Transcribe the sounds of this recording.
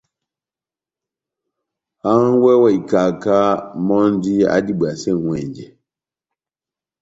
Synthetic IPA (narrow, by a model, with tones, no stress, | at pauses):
ha˦ŋ˦wɛ˦wɛ˦˨i˨ka˨ka˦mɔ˦n˦di˦a̰˦di˦˨ɓa˨sɛ˦˨wɛ̰˨ɲd͡ʒɛ˨